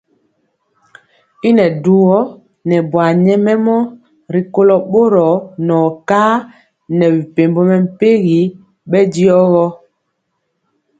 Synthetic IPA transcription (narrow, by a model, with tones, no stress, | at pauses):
i˦nɛ˨du˦wɔ˦ | nɛ˨bwa˨ɲɛ˦mɛ˦mɔ˦ | ɾi˨ko˦lɔ˨ɓo˦ɾɔ˨nɔː˨kaː˦ | nɛ˨bi˨pe˨mbɔ˦mɛ˨m̩˨pe˦ɣi˨˦ | ɓɛ˦di˦ɔ˦ɣɔ˦